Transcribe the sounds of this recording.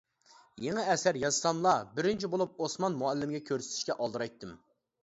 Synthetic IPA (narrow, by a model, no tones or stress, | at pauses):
jeŋɛɛsæɾjɑzsɑmlˠɑbɪɾɪnt͡ʃʰibolˠup̚osmɑnmuɛlːɪmɡʲɛkʲʰøɾsɪ̥t̪ʰɪ̥ʃkʲɛʔɑlˠd̪ɨɾɑjt̪ʰːɨm